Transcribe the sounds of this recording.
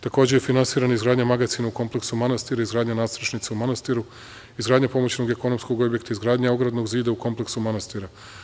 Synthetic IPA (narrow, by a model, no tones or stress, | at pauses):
t̪ako̞ːd͡ʑe̞jefinansiːɾanaizɡɾaːd̪ɲamaɡat̪sinauko̞mple̞ksumanast̪iɾaizɡɾaːd̪ɲanaːsɾat͡ʃnit̪seumanast̪iɾu | izɡɾaːd̪ɲapo̞mo̞t͡ɕnoɡeko̞no̞msko̞ɡo̞bjekt̪aizɡɾaːd̪ɲao̞ɡɾad̪no̞ɡziːd̪auko̞mpleksumanast̪iɾa